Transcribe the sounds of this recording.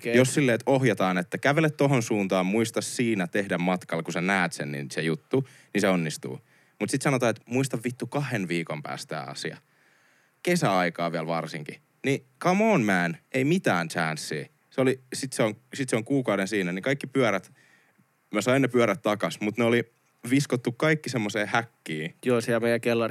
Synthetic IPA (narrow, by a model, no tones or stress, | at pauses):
jossilːeːt̪ohjɑt̪ɑːnet̪ːækæʋelet̪t̪oɦonsuːnt̪ɑːmmuist̪ɑssiːnæt̪ehdæmmɑt̪kɑlkusænæːt̪sḛnnḭnsejut̪ːu | niseonːist̪ṵː | mut̪sit̪sɑnot̪ɑːet̪muist̪ɑʋʋit̪ːukɑhenʋiːkompæ̰ːst̪t̪æ̰ːɑ̰sḭɑ̰ | kesæɑikɑːʋiælʋɑrsiŋki | nikɑmoːnmæːneimit̪æːnt͡ʃæːnsːḭː | seolisit̪seoŋsit̪seoŋkuːkɑwɾensiːnænikɑikːipyæɾæt̪ | mæsɑinːepyæɾæt̪t̪ɑkɑsmut̪neoli | ʋiskot̪ːukkɑikːisemːoseːhækːiːjoːsiælmeijækelːɑ